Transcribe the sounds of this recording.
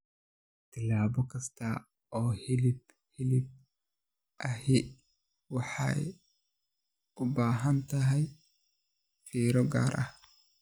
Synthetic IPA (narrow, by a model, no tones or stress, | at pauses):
t̪ʰɪlaːbɔkʰɐst̪ʰɐ | ɔːhɪlɪb | hɪlɪb̚ | ʔɐhɪ | wɑħɑ̰j | ʊbaːɦɐnt̪ʰɐɦɛj | fiːɾɔɡa̰ːɾʔɐ̰h